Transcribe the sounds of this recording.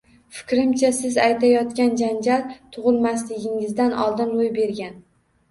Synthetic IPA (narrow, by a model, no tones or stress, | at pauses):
fɪ̥kʲɾɪmt͡ʃʰasɪzajt̪ʰajɒt̪kʲand͡ʒand͡ʒalt̪ʰʊʁɨlˠmaslɪɡʲɪŋɪzd̪anɒ̰lˠd̪ɪnɾojbe̞ɾɡʲan